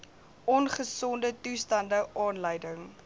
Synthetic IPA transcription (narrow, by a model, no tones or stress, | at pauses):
ʔɔnχəsɔndətustɐndəʔɑːnləjdəŋ